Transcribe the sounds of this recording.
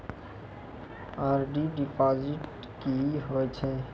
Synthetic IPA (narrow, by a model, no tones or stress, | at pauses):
aɾɖiɖipɔd͡ʒiʈ | kiɦojt͡ɕʰe